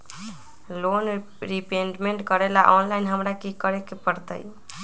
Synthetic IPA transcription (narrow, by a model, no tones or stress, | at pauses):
lon | ɾipeɳʈmeɳʈkəɾelaʔɔnlajnɦəmɾakikəɾekepəɾt̪ə̰j